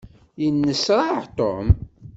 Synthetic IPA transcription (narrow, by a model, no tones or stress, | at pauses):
jənːəsɾˤɑʕt̪o̰m